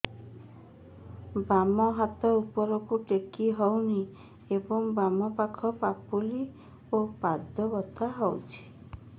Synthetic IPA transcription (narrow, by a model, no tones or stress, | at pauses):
bamɔɦat̪ɔupɔɾɔkuʈekiɦɔwni | ebɔŋbamɔpakʰɔpapuli | opad̪ʱɔbɔt̪ʰaɦɔwt͡ʃʰi̥